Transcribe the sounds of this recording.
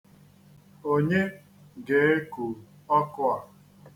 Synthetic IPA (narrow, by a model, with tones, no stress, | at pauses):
o˦ɲe˦ | ɡe˨˦e˦ku˨ | ɔ˦kʊ˦a˨